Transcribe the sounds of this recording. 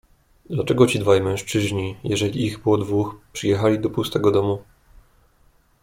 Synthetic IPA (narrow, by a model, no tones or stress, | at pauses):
d̪lat͡ʂɛɡɔt͡ɕid̪vajmɛ̃ʂt͡ʂɘʑɲijɛʐɛlʲiːɣbɘwɔd̪vuxpʂɘjɛxalʲid̪ɔpust̪ɛɡɔd̪ɔmu